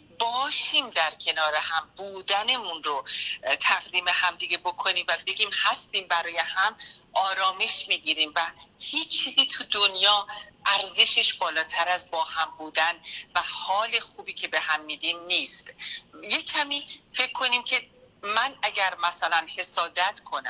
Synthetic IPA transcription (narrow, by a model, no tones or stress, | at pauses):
bɒːʃiːmd̪æɾcʰe̞nɒːɾehæmbuːd̪æne̞munɾot̪ʰæɣd̪iːme̞hæmd̪iɡe̞bo̞kʰo̞niːmvæbe̞ɟiːmhæst̪iːmbæɾɒːje̞hæmʔɒːɾɒːme̞ʃmiːɟiːɾiːmvæhiːt͡ʃːt͡ʃʰːiːziːt̪ʰud̪onjɒːʔæɾze̞ʃeʃb̥ɒːlɒːt̪ʰæɾæzbɒːhæmbuːd̪ænvæhɒːle̞xuːbiːcʰe̞be̞hæmːiːd̪iːmniːst̪je̞cʰːæmiːfe̞cʰːo̞niːmcʰe̞ | mænæɟæɾmæsælænhe̞sɒːd̪æt̪ʰkʰo̞næ